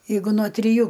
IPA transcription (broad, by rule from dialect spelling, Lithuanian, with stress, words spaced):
jɛɪˈɡʊ noː tʲrʲɪˈjuː